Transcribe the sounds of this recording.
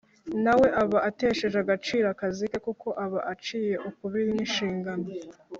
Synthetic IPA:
nawe̞ʔaβaate̞ʃe̞ʒaɡat͡ʃiːɾakazike̞kuko̞ʔaβaʔat͡ʃiːje̞ʔukuβiɾiniʃiːŋɡano

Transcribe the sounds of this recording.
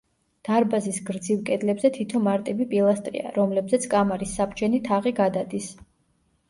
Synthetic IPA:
d̪̥aɾbazisɡɾd̪zivkʼɛd̪lɛbzɛt̪ʰit̪ʰɔmaɾt̪ʼibipʼilˠast̪ʼɾḭa̰ɾɔmlɛbzɛt̪sʰkʼamaɾisːapʰd͡ʒʰɛnit̪ʰaʁiɡad̪ad̪is

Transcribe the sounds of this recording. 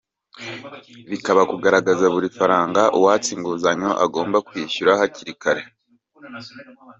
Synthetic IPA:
βikaβakuɡaɾaɡazaβuɾifaɾaːŋɡaʔuwat͡siŋɡuzaɲoʔa̰ɡo̞ːmbakwiːʃuɾahaciɾikaɾe̞

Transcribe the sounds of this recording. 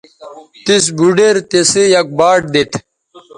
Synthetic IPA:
t̪is̬buɖeɾt̪esejɐk̚baːʈ̚d̪et̪ʰ

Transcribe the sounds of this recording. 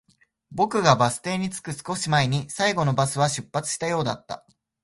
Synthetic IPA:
bo̞kɯ̟ɡabasɨ̥t̪e̞ːɲ̟it͡sɨ̥kɯ̟sɨ̥ko̞ɕimaeɲ̟isaiɡo̞no̞basɨβaɕɨpːat͡sɨ̥ɕi̥t̪ajo̞ːd̪a̰t̪ːa̰

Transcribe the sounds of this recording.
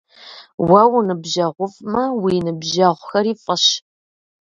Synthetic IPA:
wɐwnɨbʒɐʁʷʊfʼmɐwiːnɨbʒɐʁʷʊxɐriːfʼɐɕ

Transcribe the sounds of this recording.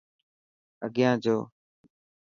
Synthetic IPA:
əɠɪjãːd͡ʒoː

